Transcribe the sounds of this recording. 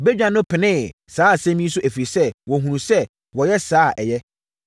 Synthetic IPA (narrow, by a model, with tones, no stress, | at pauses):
be˦d͡ʑᶣã˨nʊ̃˦pʰɪ˨nɪ̃ː˦ | saː˨˦˨sɛ̃˦mĩ˦sʊ˦ʔæ˨fi˨ɾi˨sɛ˦wɔ̃˨ɦũ˨nũ˨sɛ˦ | wɔ˨jɛ˦saː˨˦˨ʔɛ˨jɛ˦